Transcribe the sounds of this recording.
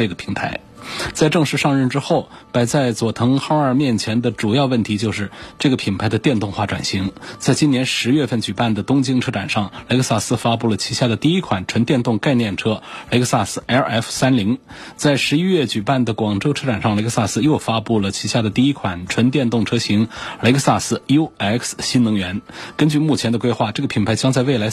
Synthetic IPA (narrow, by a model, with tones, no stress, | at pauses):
ʈ͡ʂɤ˥˩ɡə˩pʰi˧˥ŋt̪ʰa˧˥ɪ | t͡sa˥˧ɪʈ͡ʂɤ˥˧ŋʂɻ̩˥˧ʂɑ˥˧ŋɻə˥˩nʈ͡ʂɻ̩˥xo˥˩ʊpa˨˧˩ɪt͡sa˥˩ɪt͡swɔ˨˩t̪ʰɤ˧˥ŋxɑ˥ʊə˞˨˩mjɛ˥˩nt͡ɕʰjɛ˧˥nd̪ə˧˨ʈ͡ʂu˨˩jɑ˥˧ʊwə˥˩nt̪ʰi˧˥t͡ɕjo˥˧ʊʂɻ̩˥˧ʈ͡ʂɤ˥˩ɡə˩pʰi˨˩npʰa˧˥ɪd̪ə˧t̪jɛ˥˧nt̪ʊ˥˧ŋxwa˥˩ʈ͡ʂwa̰˨˩nɕi˧˥ŋt͡sa˥˩ɪt͡ɕi˥njɛ˧˥nʂɻ̩˧˥ɥɛ˥˧fə˥˩nt͡ɕy˨˩pa˥˩nd̪ə˩t̪ʊ˥ŋt͡ɕi˥ŋʈ͡ʂʰɤ˥ʈ͡ʂa˨˩nʂɑ˥˩ŋle˧˥ɪkə˥˧sa˥˩sɹ̩˥fa˥pu˥˩lə˩t͡ɕʰi˧˥ɕja˥˩d̪ə˩t̪i˥˩i˥kʰwa˨˩˦nʈ͡ʂʰwə˧˥nt̪jɛ˥˧nt̪ʊ˥˧ŋka˥˧ɪnjɛ˥˩nʈ͡ʂʰɤ˥le˧˥ɪksa˥˩sɹ̩˥˩ɛ˥˧ɛ˥˩fsa˥nli˧˥ŋ | t͡sa˥˩ɪʂɻ̩˧˥i˥ɥɛ˥˩t͡ɕy˨˩pa˥˩nd̪ə˩kwɑ˨˩ŋʈ͡ʂo˥ʊɤ˥ʈ͡ʂʰa˨˩nʂɑ˥˩ŋle˧˥˧sa˥˩sɹ̩˥˧jo˥˩ʊfa˥pu˥˩lə˩t͡ɕʰi˧˥ɕja˥˩d̪ə˩t̪i˥˩i˥kʰwa˨˩nʈ͡ʂʰwə˧˥nt̪̬jɛ˥˧nt̪ʊ˥˩ŋʈ͡ʂʰɤ˥ɕi˧˥ŋle˧˥ksa˥˧sɹ̩˥˩jo˥ɛ˥˩ksɕi˥nnɤ˧˥ŋɥɛ˧˥nkə˥nt͡ɕy˥˧mu˥˩t͡ɕʰjɛ˧˥nd̪ə˧kwe˥ɪxwa˥˩ʈ͡ʂɤ˥˩ɡə˩pʰi˨˩npʰa˧˥ɪt͡ɕjɑ˥ŋt͡sa˥˧ɪwe˥˩ɪla˧˥